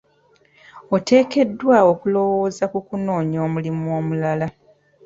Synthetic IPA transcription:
ote̞ːke̞dːwao̞kulo̞wo̞ːzakukuno̞ːɲoːmulimuoːmulala

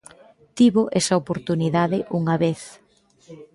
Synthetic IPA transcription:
t̪iβoʔɛsɐopoɾt̪uniðaðɪʔuŋɐβeθ

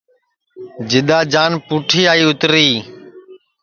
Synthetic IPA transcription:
d͡ʒɪɗ̪aːd͡ʒaːnpuːʈʰiːaːiːʊt̪ɾiː

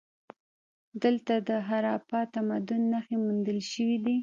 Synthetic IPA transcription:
d̪əlt̪ad̪əɦaɾɑpɑt̪amad̪ʊnːaxemund̪əlʃəwid̪i

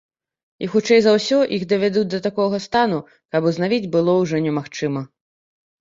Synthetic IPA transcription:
ixut͡ʂɛjzawsʲɔʔixd̪ɐvʲad̪ud͡zʲd̪ɐt̪akɔɣɐst̪anu | kɐpuznavʲid͡zʲbɨlˠɔwʐɔnʲɛmaxt͡ʂɨmɐ

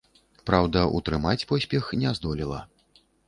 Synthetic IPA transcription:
pɾawd̪ɐʔṵt̪ɾɨmat͡sʲpɔsʲpʲɛxnʲɛzd̪ɔlʲilˠɐ̰

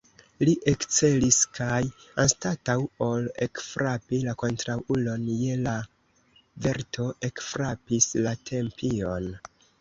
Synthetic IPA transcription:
liʔekt͡se̞liskʰajanstatawo̞lekfɾapilako̞ntɾawulo̞nje̞la | ve̞ɾtʰo̞ʔe̞kfɾapislatʰe̞mpʰio̞n

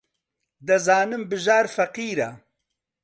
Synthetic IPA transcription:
d̪ɐzaːnɨmbɨʒaːɾfɐqiːɾɐ̰

